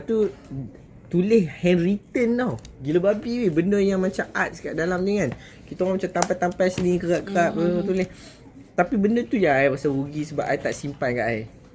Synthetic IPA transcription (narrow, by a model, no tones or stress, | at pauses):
t̪u | t̪ulɪhhɛnrit̪ənːawɡiləbabiwebəndəjaŋmãt͡ʃamʔat̪̚skaʔdalamdəŋãn | kit̪aŋamat͡ʃat̪ampat̪ampajsənĩkəɣaʔkəɣaʔbəot̪uleh | t̪apibəndət̪ujaŋajpasawuɡisəbapajt̪aʔsimpatkaʔaj